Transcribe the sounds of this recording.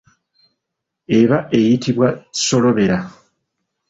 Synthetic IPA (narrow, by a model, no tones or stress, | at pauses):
e̞βaʔe̞jitʰiβwḁso̞lo̞βe̞ɾa